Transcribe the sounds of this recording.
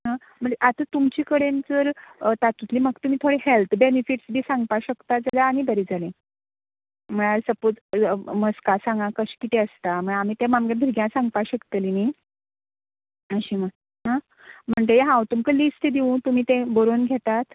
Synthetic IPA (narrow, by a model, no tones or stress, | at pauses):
ɦã | m̤əɳeʔat̪ət̪umt͡ɕikəɽent͡səɾət̪at̪ut̪liːməkt̪um̤iːt̪ʰoɽehelt̪ʰbenifiʈsbʱiːsãŋɡ̚paɕəkt̪ad͡zalaːɽ̃ibəɾid͡zalẽ | m̤əɽ̃aɾsəpot͡sməskasãŋɡakəɕkit̪eəst̪am̤əɽamiːt̪ãmamɡabʱiɾɡjãsãŋɡpaɕəkt̪əlini | əɕiːmə | ɦã | m̤əɳt̪əjeɦãwt̪umkəlisʈed̪iʋũt̪um̤iːt̪ẽboɾonɡʱɛt̪at̪